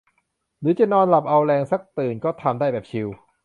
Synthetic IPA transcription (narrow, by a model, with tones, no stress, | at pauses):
ɾɯː˨˦˥t͡ɕa˨˩nɔː˧nla˨˩p̚ʔa˧wɾɛː˧ŋsa˦˥˩k̚t̪ɯː˨˩nkɔː˥˩t̪ʰa˧mdaː˥˩jbɛː˨˩p̚t͡ɕʰi˧w